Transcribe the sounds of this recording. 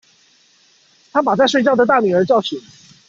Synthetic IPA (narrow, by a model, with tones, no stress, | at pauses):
t̪ʰa˥p̬a˨˩t͡sa˥˧ɪʂwe˥˧ɪt͡ɕjɑ˥˩ʊd̪ə˩t̪̬a˥˩ny˨˩ə˞˧˥t͡ɕjɑ˥˩ʊɕi˨˩˦